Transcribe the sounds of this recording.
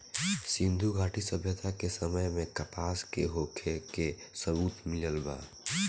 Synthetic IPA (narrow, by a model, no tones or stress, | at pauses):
sɪ̃nd̪ʱuɡʱaːʈisəbʱjət̪akesəməjmẽkəpaːskeɦoːkʰekesəbuːt̪mɪləlba̰ː